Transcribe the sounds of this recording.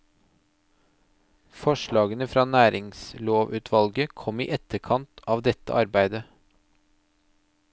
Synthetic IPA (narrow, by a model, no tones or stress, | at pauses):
fɔʃɭɑːɡənəfɾɑːnæːɾɪŋsloːʋʉːt̪ʰʋɑlɡəkʰɔmḭːʔɛt̪əɾkʰɑnt̪ʰɑːʋd̪ɛt̪ːə̰ʔɑɾbæɪd̪ə